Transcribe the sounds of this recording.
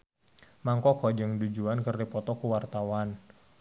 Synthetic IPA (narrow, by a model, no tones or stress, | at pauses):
maŋkɔkɔd͡ʒəŋdud͡ʒuankərdipɔt̪ɔkuwart̪awan